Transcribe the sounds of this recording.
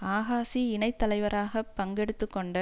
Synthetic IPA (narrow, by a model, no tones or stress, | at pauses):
aːɣaːsiɪnɐɪt̪ːɐlɐɪʋɐɾaːɣɐpːɐŋɡɛɽɯt̪ːɯkːɔɳɖɐ